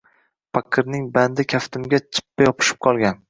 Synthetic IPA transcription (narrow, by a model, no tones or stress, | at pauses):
pʰakʲʰːɨɾnɪŋband̪ɪkʲʰaft̪ʰɪmɡʲat͡ʃʰɪ̥pːajɒpʰɪ̥ʃɪ̥p̚qʰɒlˠɡʲan